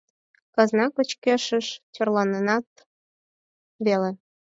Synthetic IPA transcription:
kɑznɑkət͡ɕkeʃəʃt͡ɕorlɑnənɑt̪ | βele

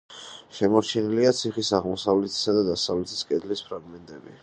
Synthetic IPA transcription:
ʃɛmɔɾt͡ʃʰɛniliat̪sʰiχisaʁmɔsavlɛt̪ʰi̥sad̪ad̪asavlɛt̪ʰi̥skʼɛd̪lispʰɾaɡmɛnt̪ʼɛbi

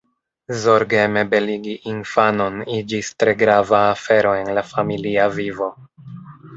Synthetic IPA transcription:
zoɾɡeme̞be̞liɡiʔinfano̞nid͡ʒistɾe̞ɡɾavaːfe̞ɾo̞e̞nlafamiliavivo̞

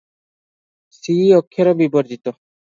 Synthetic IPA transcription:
siɔkʰːeɾɔbiboɾd͡ʑit̪o

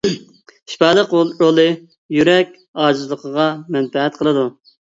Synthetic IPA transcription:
ʃpɑlˠəqolˠɾolˠɨ | jyɾɛkʲ | ɑːd͡ʒɨzlˠəqʰəʁɑmɛnfɛɦɛt̪̚qʰəlˠɨd̪u

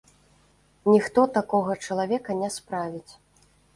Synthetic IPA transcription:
nʲixt̪ɔt̪akɔɣɐt͡ʂɐlˠavʲɛkɐnʲɛspɾavʲit͡sʲ

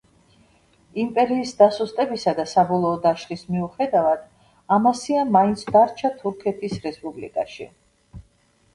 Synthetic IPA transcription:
impʼɛɾiːsd̪asust̪ʼɛbisad̪asabɔlˠɔːd̪aʃχismiuχɛd̪avad̪̥ | amasiamaint̪sʰd̪aɾt͡ʃʰat̪ʰuɾkʰɛt̪ʰisɾɛspʼublḭkʼaʃḭ

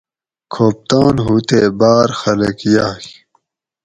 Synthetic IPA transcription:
kʰoːp̚t̪aːnɦuːt̪eːbaːɾxɐlɐkjaːk

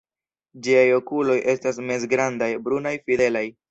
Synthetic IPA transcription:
d͡ʒiajo̞kulo̞jʔe̞stas̬mes̬ɡɾandajbɾunajfide̞laj

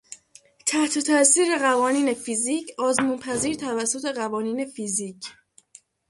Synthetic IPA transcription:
t̪ʰæht̪ʰo̞t̪ʰæʔsiːɾe̞ɣævɒːniːne̞fiziːcʰɒːzmunpʰæziːɾt̪ʰævæsːot̪ʰe̞ɣævɒːniːne̞fiziːcʰ

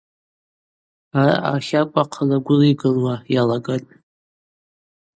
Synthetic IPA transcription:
ara̰ʔa̰χʲakʷʼaqʰalaɡʷʊliɡɨlwajalaɡatʼ

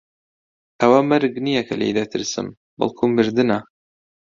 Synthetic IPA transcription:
ʔɐwɐmɐɾɡnijɐkʰɐlḛjd̪ɐt̪ʰɨɾsɨ̰m | bɨ̰lˠkʰumɨɾd̪ɨnɐ

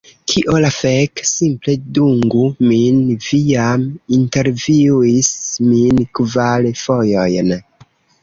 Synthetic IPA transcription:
kʰiʔolafeksimple̞duŋɡuminviaminte̞ɾviisminkvalfo̞jo̞jn

